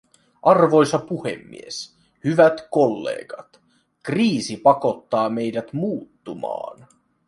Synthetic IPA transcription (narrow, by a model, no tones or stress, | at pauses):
ʔɑrʋo̞jsɑpuhḛmːḭe̞s | hyʋæt̪ko̞lːḛːɡ̥ɑt̪ | kriːsipɑko̞t̪ːɑːme̞jdæt̪muːt̪ːumɑ̰ːn